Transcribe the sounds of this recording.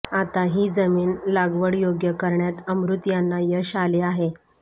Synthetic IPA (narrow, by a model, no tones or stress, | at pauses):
at̪aɦiːd͡zəmiːnlaɡʋəɽjoɡjəkəɾɳjat̪əmɾut̪janːajəɕaleaɦe